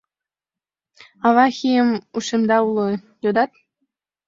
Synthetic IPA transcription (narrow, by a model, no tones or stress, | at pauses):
ɑβɑxʲijəmuʃemd̪ɑulo | jod̪ɑt̪̚